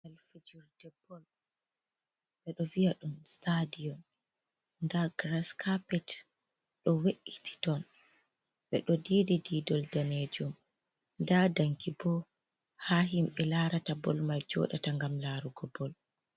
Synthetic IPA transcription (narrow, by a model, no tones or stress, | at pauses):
alfid͡ʒuɾdɛbːɔl | ɓɛɗɔvijaɗumstadiɔn | ndaɡɾaskʰapɛt | ɗɔweʔiti̥tɔn | ɓɛ̰ɗɔdidididɔldaned͡ʒum | ndadaŋkibɔ | haɦimɓɛlaɾatabɔ̰lmajd͡ʒɔ̰ɗataŋɡamlaɾuɡɔbɔl